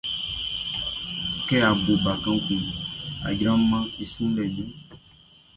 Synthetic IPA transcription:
kɛ˦a˨bo˨ba˨kã˦ki˨a̰˨d͡ʒɾã˦mã˦e˨sũ˦lɛ˨ɖu˦

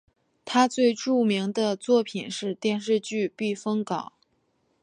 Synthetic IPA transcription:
t̪ʰa˥t͡swe˥˧ɪʈ͡ʂu˥˩mi˧˥ŋd̪ə˧t͡swɔ˥˩pʰi˨˩nʂɻ̩˥˧t̪jɛ˥˧nʂɻ̩˥˧t͡ɕy˥˧pi˥˩fɤ˥ŋkɑ˨˩˦ʊ

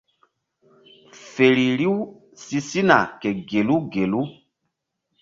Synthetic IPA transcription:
fe˨ɾi˨ɾi˦w | si˦si˦na̰˨kɛ˨ɡe˨lu˦ɡe˨lu˦

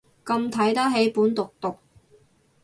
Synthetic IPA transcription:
kɐ˧mt̪ʰɐ˨˥jt̪ɐ˥ɦe˨˥jpuː˨˥nt̪ʊ˨k̚t̪ʊ˨k̚

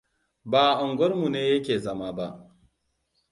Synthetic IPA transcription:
baː˨ʔʊ˨ŋɡʷɔ˦rmu˨neː˦jɐ˦kʲeː˨zɐ˦ma˦ba˦ʔ

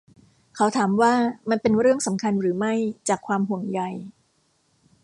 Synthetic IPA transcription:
kʰa˩˦˥wt̪ʰaː˩˦mwaː˥˩ma˧npe˧nɾɯ˥˩əŋsa˩˦mkʰa˧nɾɯː˩˦ma˥˩jt͡ɕaː˨˩kʰwaː˧mɦu˨˩əŋja˨˧j

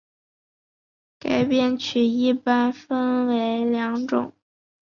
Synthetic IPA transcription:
ka˨˩ɪpjɛ˥nt͡ɕʰy˨˩i˥˩pa˥nfə˥nwe˧˥ɪljɑ˧˥ŋʈ͡ʂʊ̰˨˩˦ŋ

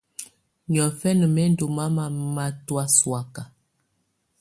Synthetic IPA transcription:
ɲɔ˨fɛ˦nə˨mɛ˦n˦du˨ma˦ma˨˦ma˦twa˦swa˦ka˨

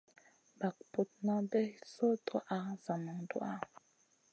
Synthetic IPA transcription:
ba˨kpo˨t̚na˦bɛ˦so˦tʰo˦ʔa˦za˨mɔ˨ŋdw̰a˦

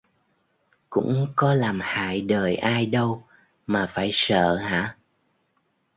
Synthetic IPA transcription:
kʊ̰˧˥ŋ͡mkɔ˨˦laː˨˩mha̰ː˧˨jɗəː˨˩jʔaː˧jɗə˧w | maː˨˩faː˧˩jsə̰ː˧˨ha̰ː˧˥

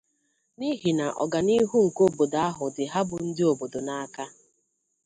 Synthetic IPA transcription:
ni˦ɦi˨na˨ʔɔ̰˨ɡa˨ni˦ɦu˦ŋ̩˨ko˦bo˨da˦ɦʊ˨dɪ˨ɦa˦bʊ˨n̩˦dɪ˦o˨bo˨do˨na˦ka˦

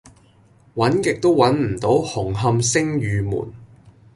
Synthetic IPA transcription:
wɐ˨˥nkɪ˨k̚t̪o˥wwɐ˨˥nm̩˨˩t̪o˨˥whʊ˨˩ŋɦɐ˧msɪ˥ŋjyː˨˧mṵː˨˩n

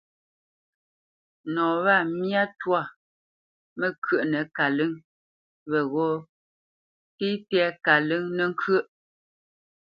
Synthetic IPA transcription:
nɔ̃ː˨βa˦˨mja˦twa˦˨ | mə˦˨kɥə˦˨ʔnə˨ka˨lɨ˦ŋ | βɛ˨ɣɔ˦ | ti˦tɛ˦ka˨lɨ˦ŋnɛ˦˨ŋ̩˦kʰə˦˨ʔ

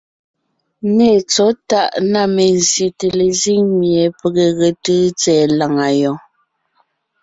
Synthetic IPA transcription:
neː˦˨t͡sɔ˨˦ta˦˨ʔna˦˨me˨n˨zje˨te˨le˨zi˦˨ŋmje˨pə˨ɣe˨ɣə˨təː˦t͡sɛː˨˦la˨ŋa˨jɔ˨

